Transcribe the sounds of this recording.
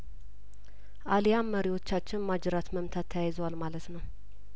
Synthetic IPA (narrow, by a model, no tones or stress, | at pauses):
ʔalijamːəɾiwo̞t͡ʃːat͡ʃːɪnmad͡ʒɪɾat̪məmt̪ʰat̪ʰːəjajzəwalmalət̪nəw